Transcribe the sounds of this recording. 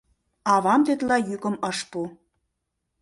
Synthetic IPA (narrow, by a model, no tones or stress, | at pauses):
ɑβɑmt̪et̪lɑjykə̆mɤʃpu